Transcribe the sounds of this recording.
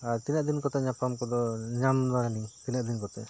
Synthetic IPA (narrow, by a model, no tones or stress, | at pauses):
aɾt̪inad̪inkɔt̪ɛɲapamkɔd̪ɔɲamɾaɾaliŋt̪inaʔd̪inkɔt̪ɛ